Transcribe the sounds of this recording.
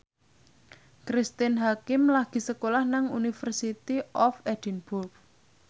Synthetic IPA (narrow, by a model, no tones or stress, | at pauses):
kɾist̪ɪnɦakɪmlaɡ̥i̤səkolahnaŋunifərsit̪iʔɔfɛd̥inbʊrf